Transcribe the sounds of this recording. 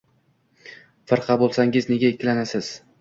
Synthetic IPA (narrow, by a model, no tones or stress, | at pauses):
fɪɾqʰɑbolˠsaŋɪzne̞ɡʲaekʲʰːɪlanasɪz̥